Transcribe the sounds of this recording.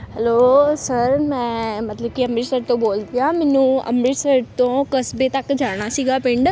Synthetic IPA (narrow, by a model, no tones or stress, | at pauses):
ɦɛlosɐɾmɛ̃ːmɐt̪ləbkiɐmɾisəɾt̪õboːlt̪ijaːmɪnũɐ̰mɾisɐɾt̪õkɐsbet̪ɐkd͡ʑʱaːɽ̃asiɡapɪ̃ɳɖ